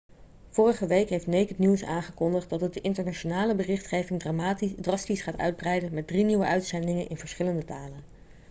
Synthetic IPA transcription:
v̥ʊːrəχəʋejkɦejftnejkɦətniwsaːnχəkɔndəχtdɑtət̚dəʔɪntəɹnaʃonaːləbərɪχtχejvɪŋdrɑstisχaːtœ̰ɥd̚brɛjdənmɛt̚driniwəʔœɥtsɛndɪŋənʔɪ̰nvəɹsχɪləndətaːlən

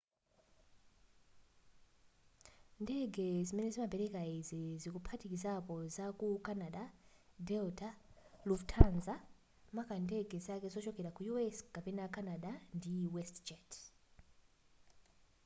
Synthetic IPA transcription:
ndɛɡɛzimɛnɛzimabɛɾɛkaizizikupʰatikizapɔzakukanaɗadɛltʰaluvtʰanza | makandɛɡɛzakɛzɔt͡ʃɔkɛɾakujuɛskapɛnakʰanaɗandiwɛstd͡ʒɛtʰ

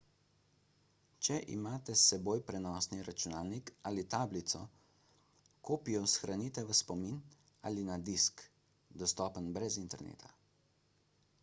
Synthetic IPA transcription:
t͡ʃɛʔḭmaːt̪ɛsɛboːjpɾɛnɔːsniɾat͡ʃunaːlnikaːlit̪aːblit̪sɔ | koːpijɔsxɾanit̪ɛʋəspɔmin | a̰linad̪isk | d̪ɔst̪ɔːpənbɾɛzint̪ɛɾnḛːt̪ʰa

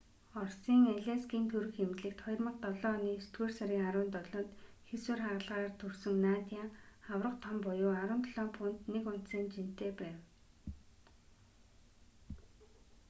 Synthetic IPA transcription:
ɔrsiːŋæɮʲæskiːnt̪ʰɵɾɘ̆xxemt̪ɮɘ̆kt̪χɔj̆rmə̆q̚t̪ɔɮɔːniːst̪ɡeːrsaɾiːŋaɾʊːnt̪ɔɮɞ̆ːnt̪ | xeswɘ̆rχaʁə̆ɮʁaːrt̪ʰɵrsɵ̆ŋnaːt̪jaawrə̆qt̪ʰɔmpɔjʊːaɾʊːnt̪ʰɮɔːmpʰun̥t̪nekʊn̥t̪saːnt͡ɕin̥t̪eːpæːw

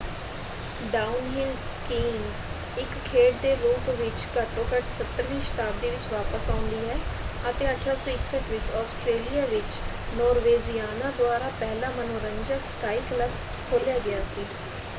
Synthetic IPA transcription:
ɖaːʊnɦɪlskiːŋɡ | ɪkʰːeːʈ̚d̪eːɾuːpʋɪt͡ʃkəʈõːkəʈsət̪ːəɾʋiːʃə̥t̪aːb̚d̪iːʋɪt͡ʃʋaːpəsaːʊ̃nd̪iːɦɛːət̪eːəʈʰɾaːsɔːɪksəʈʋɪt͡ʃɔːsʈɾeːlijaːʋɪt͡ʃ | nɔːɾʋeːzijaːnãːd̪ʊaːɾaːpɛːlãːmənoːɾənd͡ʒəkskaːiːkləb | kʰoːljaːɡɪaːsiː

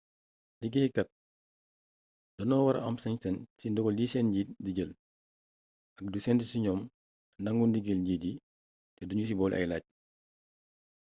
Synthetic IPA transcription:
diɡihikɐt̚ | d̥ɔnɔːwaɾa̰ʔa̰msɛŋsɛnsindɔɡɔldisɛnɲɟitdiɟəl | ʔɐk̚dusɛndisiɲɔːm | ndaŋɡundiɡəlɲɟidi | tɛduɲus̬ibɔːlʔa̰jla̰ːc̚

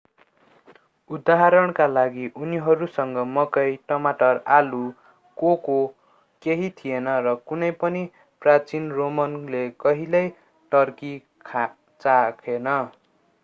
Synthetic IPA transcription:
ud̪aɦaɾʌɽ̃kalaɡiʔuniɦʌɾusʌŋɡʌmʌkʌjʈʌmaʈʌralu | koko | keɦit̪ʰijenʌrʌkunʌjpʌni | prat͡sinromʌnlekʌɦilʌj | ʈʌrki | kʰa | t͡sakʰenʌ

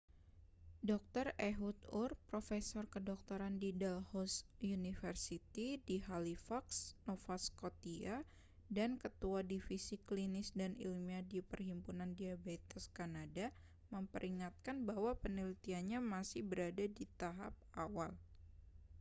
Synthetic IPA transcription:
dɔk̚t̪ɔrɛɦut̪urpɾofɛsɔrkədɔk̚t̪ɔɾandidalhɔsjunifərsit̪idiɦalifaksnɔfaskot̪ia | dankət̪uadifisiklinɪsdanḭlmiadipərɦimpunandiabat̪ɛskanada | məmpəɾʔiŋat̪̚kanbawapənilit̪ianɲamasɪhbəɾadadit̪aɦap̚awal

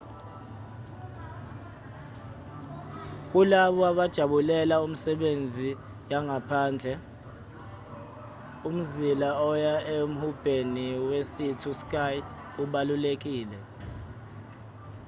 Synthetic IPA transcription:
k̬ʼulaɓɔaɓad̥ʒ̥ʱaɓulɛlaum̩sɛɓend͡zʱi | jaŋapʰaːnd͡ɮʱɛ | um̩zilaɔjaem̩hub̥ʱeniwesitʰuskʼaj | uɓalulek̬ʼiːlɛ

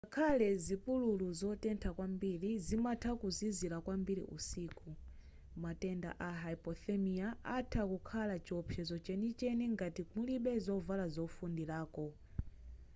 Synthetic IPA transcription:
akʰalɛzipululuzɔtɛntʰakwambiɾizimatʰakuzizilakwambiɾḭʔṵsiːku | matɛnda̰ʔaɦaipɔθɛmiaatʰakukʰalat͡ʃɔpʰɛzɔt͡ʃɛnit͡ʃɛniŋɡatimuliɓɛzɔvalazɔfundilaːkɔ

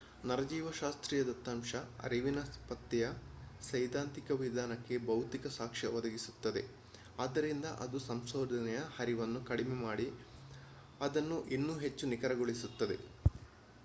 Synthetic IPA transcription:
nɐɾɐd͡ʒiːʋɐʃaːst̪ɾiːjɐd̪ɐt̪ːaːmʃɐɐ̰ɾiʋinɐpɐt̪ːijɐsɐjd̪aːnt̪ikɐʋid̪ʱaːnɐkːe̞bɐwt̪ikɐsaːkʂɐʋɔd̪ɐɡisu̥t̪ːɐd̪e̞̰ | aːd̪ːɐɾind̪ɐʔɐd̪usɐmsoːd̪ʱɐnɛjɐhɐɾiʋɐnːukɐɽimɛmaːɽi | ɐd̪ɐnːuʔinːuːɦe̞t͡ʃːunikɐɾɐɡoɭisut̪ːɐd̪e̞̰

